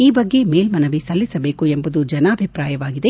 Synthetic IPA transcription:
iːbɐɡːe̞meːlmɐnɐʋisɐlːisɐbe̞ːkuembud̪ud͡ʒɐnaːbʱipɾaːjɐʋaːɡid̪e

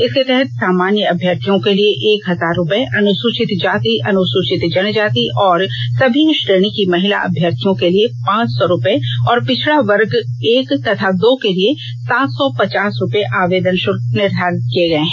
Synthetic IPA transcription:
ɪsket̪ɛɦɛt̪̚saːmaːnjəɐbʱjəɾt̪ʰijõkelieʔeːkɦɐzaːɾːʊpəeʔɐnʊsʊt͡ʃɪt̪d͡ʒaːt̪iʔɐnʊsʊʃɪt̪d͡ʒɐnd͡ʒaːt̪iʔɔːɾsɐbʱiʊʃɾeːñikimɐɦɪla̰ʔɐ̰bʱjəɾt̪ʰijõkeliepãːt͡ʃsɔɾʊpəeɔːɾpɪt͡ʃʰɭaʋɐɾɡeːkt̪ɐt̪ʰad̪oːkelie | saːt̪ʰsɔpɐt͡ʃaːsɾʊpeʔaːʋeːd̪ənʃʊɾnɪɾd̪ʱaːɾkieɡɐẽɦɛ̃

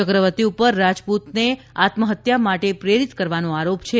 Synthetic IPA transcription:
əkɾəʋət̪iupəɾːad͡ʒput̪ne | at̪məɦət̪jamaʈepɾeɾit̪kəɾʋanõaɾopt͡ʃʰe

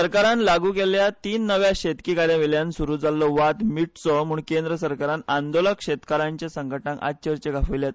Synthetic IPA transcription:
əɾkaɾanlaɡukeljat̪iːnːəʋjaɕet̪kikaɾjãʋeljãnsuɾuːd͡zalːɔʋat̪miʈt͡sɔm̤uːɳkend̪ɾəsəɾkaɾãnand̪oləkkɕet̪kəɾãɲt͡ɕjasəŋɡəʈãŋka̰t͡ɕəɾt͡ɕeɡʱafəʋljat̪̚

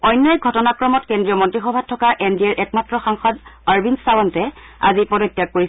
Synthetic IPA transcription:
ɔjnːɔjɡʱɔtɔnakɹɔmɔtkendɹiɔmɔntɹixɔbʱatʰːɔkaʔɛndiɛɹʔɛkmatɹɔxaŋxɔdaɹbinsawɔntɛ | a̰zipɔdɔtːijak̚koɹi

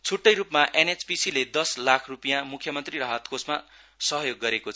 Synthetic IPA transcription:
t͡sʰuʈːʌjɾupmaʔenet͡spisiled̪ʌslakʰrupijãmukʰjʌmʌnt̪rirʌɦʌt̪kosma | sʌɦjoɡːʌɾekot͡sʰʌ

